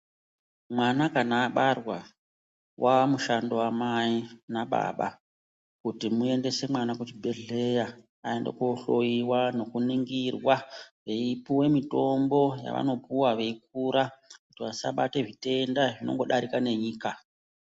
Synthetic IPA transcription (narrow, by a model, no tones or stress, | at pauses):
mwanakanaːɓarwa | wʔamuʃando̞amainaɓa̰ɓa̰ | kutimue̞nde̞se̞mwanakut͡ʃibʱe̞ɮe̞ja | ae̞ndḛkuɬo̞jiwano̞kuniŋɡirwaʋe̞ipuwe̞mito̞mbo̞ja̰ʋa̰no̞puwaʋe̞ik̚uɾakutiʋasa̰ɓate̞ʐite̞ndaʐino̞̰ŋɡo̞ɗaɾikane̞ɲiːka